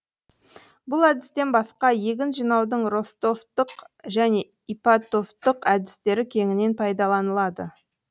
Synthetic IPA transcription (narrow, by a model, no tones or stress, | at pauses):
bʊlˠæd̪ɪst̪e̞nbɑsqɑje̞ɡʲɪnʒijnɑwd̪əɴro̞st̪o̞ft̪ːəqʒæne̞ | ipat̪o̞ft̪ːəqæd̪ɪ̥st̪e̞ɾɪkʲʰe̞ŋɪne̞npʰɑjd̪ɑlˠɑnəlˠɑd̪ə